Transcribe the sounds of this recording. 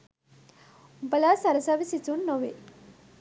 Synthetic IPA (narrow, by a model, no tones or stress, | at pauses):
bɐlaːsɐɾɐsaʋisit͡sunːoʋe